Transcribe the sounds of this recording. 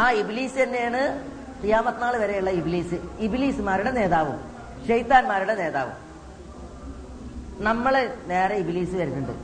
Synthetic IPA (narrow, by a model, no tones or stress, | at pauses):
aːibiliːsɨɐnːe̞jaːɳɨ | t̪ijaːmɐt̪ːnaːɭɨʋɐɾejuɭːɐibiliːsɨibiliːsɨmaːɾuɽe̞ne̞ːðaːʋṵm | ɕejt̪ːaːnmaːɾuɽene̞ːða̰ːʋṵm | nɐmːɐɭene̞ːɾɐibiliːsɨʋɐɾunːuɳɖɨ̰